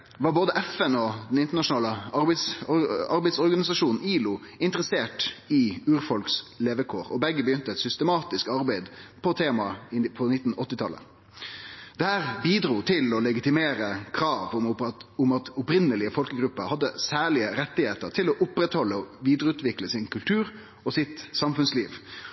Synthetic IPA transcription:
ʋɑɾboːd̪əʔɛfɛnɔd̪ɛnɪnt̪əɳɑʂʊnɑːləɑɾb̪sɔɑɾbæɪd̪sɔɾɡɑnɪsɑʂuːnn̩iːlʊɪnt̪əɾəseːʈɪʉːɾfɔlksleːʋəkʰoːɾɔbɛɡːəbəjʏnt̪əɛt̪sʏst̪əmɑːt̪ɪskɑɾbæɪd̪pʰɔt̪ʰeːmɑɪpʰɔnɪt̪ːn̩ɔt̪ːɪt̪ʰɑ̰lːə̰ | d̪̥ɛhæːʁbiːd̪ɾuːt̪ʰɪlɔlɛɡɪt̪ɪmeːɾəkʰɾɑːʋʊʊmɑt̪ʊpɾɪnəlɪəfɔlkəɡɾʉpːəɾhɑd̪ːəsæːɭɪəɾɛt̪ːɪheːt̪əɾʈʰɪlɔʔʊpɾɛt̪hɔlːəɔʋiːd̪əɾəʉːt̪ʰʋɪkləsɪnkʉlt̪ʰʉːɾ | ɔsɪt̪sɑmfʉnsliːʋ

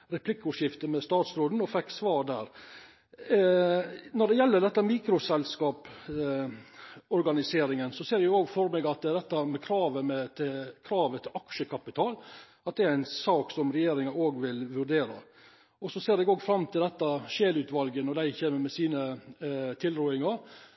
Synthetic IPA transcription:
ɾɛplɪkːʊʂɪft̪əmɛst̪ɑːt̪sɾoːd̪n̩ɔfɛkːsʋɑːɾɖ̪æːɾ | nɔɖɛjɛlːəɖɛt̪ːəmiːkɾʊsɛlskɑːp | ɔɾɡɑnɪseːɾɪŋənsɔseːɾɛjʊɡoːɡfɔɾmeːɡɑt̪d̪ɛt̪ːɑmɛkʰɾɑːʋəmɛt̪ʰɪkʰɾɑːʋət̪ʰɪlɑkʃəkʰɑpɪt̪ʰɑːl | ɑt̪̚d̪ɛæɾæɪnsɑːksɔmɾɛjeːɾɪŋɑoːɡʋɪlʋʉɾɖeːɾɑ | ɔsɔseːɾɛɡoːɡfɾɑmt̪ʰɪld̪ɛt̪ːɑʃeːlʉːt̪ʋɑlɡənɔd̪æɪçeːməmɛsiːnə | t̪ʰɪlɾuːɪŋɑɾ

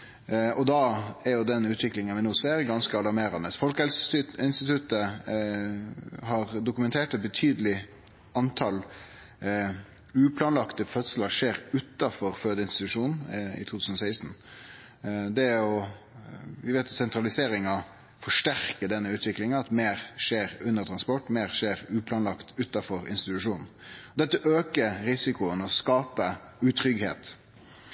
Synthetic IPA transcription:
ɔd̪ɑːæɾjʊd̪ɛnːʉːt̪ʰʋɪklɪŋənʋɪnuːseːɾɡɑnskəɑlɑɾmeːɾɑnəsfɔlkəɛlsɪnst̪ɪt̪ʰʉt̪ə | ɦɑɾd̪ʊkʉmɛnt̪ʰeːʈɛt̪̚bət̪ʰyːd̪əlɪ | ɑnt̪ʰɑl | ʉːpʰlɑːnlɑkt̪əfœt̪sələɾʂeːɾʉt̪ːɑfɔɾføːd̪əɪnst̪ɪt̪ʉʂuːnn̩ɪ̰t̪ʰuːt̪ʉːsnɔsæɪst̪n̩ | d̪ɛɔ | ʋɪʋeːt̪sɛnt̪ɾɑlɪseːɾɪŋɑ | fɔʂʈæʁkəɖ̪ɛnːəʉːt̪ʋɪklɪŋɑɑt̪meːɾʂeːɾʉnːəɾt̪ʰɾɑnspɔʈːmeːʁʂeːɾʉːpʰlɑːnlɑkt̪ʉt̪ːɑfɔɾɪ̰nst̪ɪt̪ʉʂuːnn̩ɔd̪ɛt̪ːəʔøːkəɾɾɪsɪkʊənɔskɑːpə | ʉːt̪ʰɾʏɡhḛːt̪

